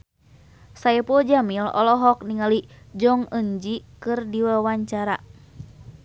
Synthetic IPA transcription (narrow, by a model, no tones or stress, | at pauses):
saɛpɔd͡ʒamilɔ̰lɔɦɔk̚niŋali | d͡ʒɔŋəɲd͡ʒikɨrdiwawaɲt͡ʃaɾa